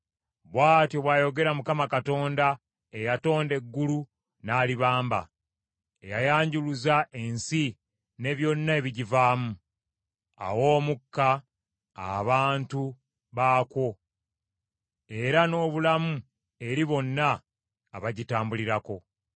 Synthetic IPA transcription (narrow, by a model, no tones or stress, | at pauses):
βwaːtjo̞βwaːjo̞ɡe̞ɾamukamakato̞ːnda | e̞jato̞ːnde̞ɡːulu | naːliβaːmba̰ | ejajaːɲɟuluzaʔe̞nsi | ne̞βjo̞nːae̞βiɟivaːmu | a̰wo̞ːmukːa̰ː | βaːntu | βaːkwo̞ | e̞ɾano̞ːβulamu | e̞ɾiβo̞nːaː | βaɟitaːmbuliɾako̞